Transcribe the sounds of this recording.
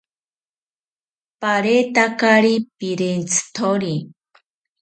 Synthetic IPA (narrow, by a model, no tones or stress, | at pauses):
paɾet̪akaɾipiɾent͡sʰt̪ʰoɾi